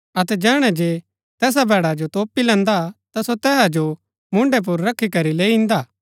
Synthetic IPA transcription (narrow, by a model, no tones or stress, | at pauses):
ɐt̪ɛd͡ʒɛːɽ̃ɛ̃d͡ʒeː | t̪ɛːs̬abɛːɽad͡ʒot̪oːpilɛ̃ːnd̪at̪asot̪ɛːsad͡ʒo | mʊ̃ɳɖep̬ʊɾːɐkʰːikɐɾileːiɪ̃nd̪aː